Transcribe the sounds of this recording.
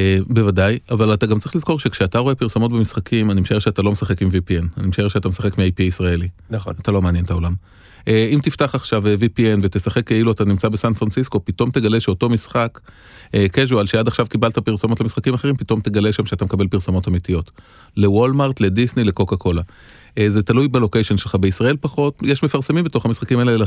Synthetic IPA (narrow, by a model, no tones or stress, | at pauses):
ebe̞vadajavalataɡamt͡sʁiχliz̥ko̞ʁʃekʃeataʁo̞e̞piʁsomo̞t̚bemisχakʰimanimeʃaeʁʃeatalo̞mesaχe̞kimvipienanimeʃaeʁʃeat̪amesaχekmiajpiisʁaelinat̪alo̞meaːnje̞ntao̞lam | ʔeimtiftaχaχʃavevipienvet̪esaχe̞kːeiluatanimt͡sabesanfʁansisko̞pito̞mteɡaleʃeoto̞misχak | ekeʒualʃeadaχʃavkibaltapiʁsomotlamisχakimaχeʁimpito̞mt̪eɡaleʃamʃeat̪amekabelpiʁsomotamitijo̞t | lewolmaʁtle̞disnileko̞kako̞la | zetalujbelo̞kejʃenʃelχabeisʁae̞lpaχo̞tjeʃmefaʁsemimbet̪o̞χamisχakimaeeel